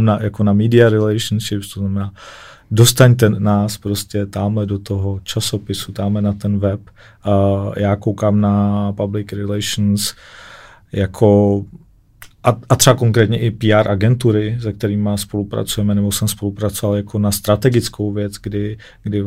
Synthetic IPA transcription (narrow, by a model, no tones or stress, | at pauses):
mnajakonamiːdɪaɾɛlɛjʃnʃɪpst̪oznamɛnaː | do̞st̪aɲt̪ɛnaːspɾo̞scɛt̪aːmlɛdot̪oɦo̞t͡ʃaso̞pɪsut̪aːmlɛnat̪ɛnvɛp | jaːkowkaːmnapablɪkɾɪlɛjʃn̩s | jakʰo | ʔaat̪ɾ̥ɛbakoŋkɾɛːt̪ɲɛʔɪpiːaːɾʔaɡɛnt̪uɾɪzɛk̚t̪ɛɾiːmaspo̞lupɾa̰t͡sujɛmɛnɛbo̞sɛmspo̞lupɾat͡sovaljakʰo̞nast̪ɾat̪ɛɡɪt͡sko̞wvjɛt͡sɡdɪ | ɡdɪ